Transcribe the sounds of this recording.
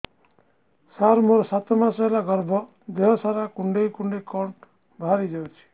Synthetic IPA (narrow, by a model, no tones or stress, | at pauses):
saɾmoɾsat̪ɔmasɔlaɡʌɾbɔ | d̪eɦɔsaɾakuɳɖejkuɳɖekɔɳʈ | bʱaɾid͡ʒawt͡ʃʰi̥